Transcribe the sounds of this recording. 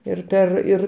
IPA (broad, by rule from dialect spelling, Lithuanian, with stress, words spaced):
ɪr ˈpʲɛr ɪr